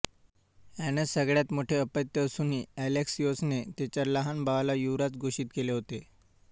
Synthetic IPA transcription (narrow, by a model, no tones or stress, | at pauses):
ænəsːəɡɭjat̪moʈʰeəpət̪jəːsuniːæleksjosnet̪et͡ɕjaləɦanbaʋlajuʋɾat͡sɡʱoɕiːt̪keleɦot̪e